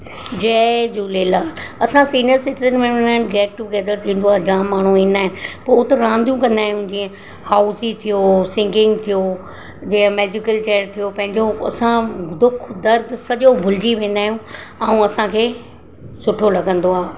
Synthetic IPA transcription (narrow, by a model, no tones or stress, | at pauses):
d͡ʑeːd͡ʑuːleːlaːlɐsãsiːnijəɾsɪʈid͡ʑənmẽɪnaːɪnɡɛːk̚ʈʊɡɛːd̪əɾt̪ʰĩːnd̪oaːɦd͡ʑãːmːaːɳ̤ũiːnaːɦɪ̃nɪ̆pot̪ɾãːnd̪ʱijũkɐ̃nd̪aːɦijũd͡ʑĩːẽ | haːʊsit̪ʰijosɪ̃ŋɡɪ̃ŋɡt̪ʰijo | d͡ʑiːə̃meːd͡ʑɪkəlt͡ɕɛːəɾt̪ʰijopɐ̃ɦɪ̃ɲd͡ʑoɐ̰sãd̪ʊkʰd̪ɐɾd̪sɐʄobʱʊlɪd͡ʑiʋẽːn̆d̪aːɦijũ | ɐ̃ũɐsãkʰeː | sʊʈʰolɐɡə̃nd̪oaː